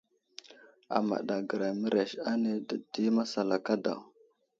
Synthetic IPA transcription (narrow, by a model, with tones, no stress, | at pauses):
a̰˨ma̰˨ɗa˨ɡə˨ɾa˨mə˦ɾe˨ʃa˦ne˦də˨di˦ma˦sa˨la˨ka˦da̰˨w